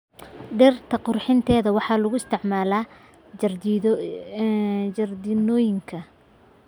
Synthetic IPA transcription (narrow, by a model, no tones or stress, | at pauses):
ɖɛrt̪ʰɐqʊrħɪnt̪ʰɛːðɐwɑħɑːlʊɣʊɪst̪ʰɪʕmaːlaː | ɐrd̪ɪnɔːjɪŋkʰɐ